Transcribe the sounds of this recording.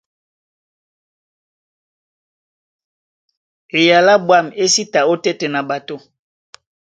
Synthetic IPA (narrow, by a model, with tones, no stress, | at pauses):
e˨ja˨la˦bwa˦˨me˦si˦ta˨o˦tɛ˦tɛ˨na˨ba˨to˦